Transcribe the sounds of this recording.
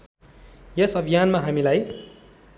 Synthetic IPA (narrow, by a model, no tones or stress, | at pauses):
jesʌbʱijanmaɦamilaj